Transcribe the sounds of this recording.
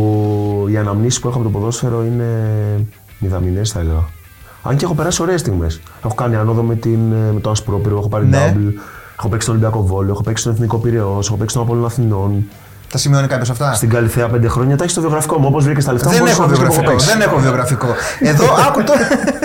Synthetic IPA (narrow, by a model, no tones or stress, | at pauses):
iɐnɐmnisi̥puexoɐpot̪opoðo̞sfe̞ɾo̞ine̞ | miðɐminest̪ɐɣɐ | ɐ̰ɲceexo̞pe̞ɾɐsio̞ɾe̞est̪iɣme̞̰s | e̞xokaniɐnoðomet̪inmet̪oɐspɾo̞piɾoexopɐɾiable̞xo̞pe̞ksitolibiɐko̞vo̞loexopeksi̥t̪oeθniko̞piɾeose̞xopksit̪onapo̞lonɐθino̞n | t̪ɐsimionikɐpçosɐft̪ɐst̪iɡɐliθeɐpnd̪e̞xɾo̞ɲɐt̪ɐçist̪oðioɣɾɐfi̥ko̞muo̞po̞zvɾicest̪ɐleft̪aeeovioeopekiðenexovio̞ɣɾɐfiko | eðoɐkut̪o